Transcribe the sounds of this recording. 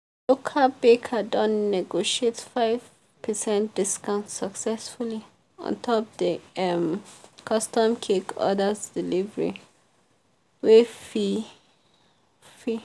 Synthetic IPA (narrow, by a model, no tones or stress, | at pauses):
lokʰalbekʰadɔ̃nnɛɡoʃietfaɪv̥ | pʰəsɛ̃nt̚d̥iskãʊ̃nssaksɛsfuli | ɔ̰̃ntʰɔpdəɛmkʰɔstɔ̃mkʰekɔ̰dasdilivəɹḭ | wefi | fi